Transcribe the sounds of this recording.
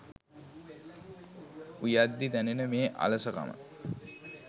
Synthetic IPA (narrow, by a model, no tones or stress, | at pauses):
ujad̪ːid̪ænenəmeːʔa̰ləsəka̰mə̰